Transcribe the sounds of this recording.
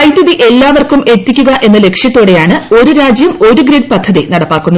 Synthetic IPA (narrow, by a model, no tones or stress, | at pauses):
ɐjt̪ːɐðiʔe̞lːaːʋɐrkume̞t̪ːikʲːuɣɐʔe̞nːɐle̞kʂjɐt̪ːoːɽe̞jaːɳɨo̞ɾuɾaːd͡ʑjɐmo̞ɾuɡɾiɖ̚pɐd̪ʱːɐðinɐɽɐpːaːkːunːɐ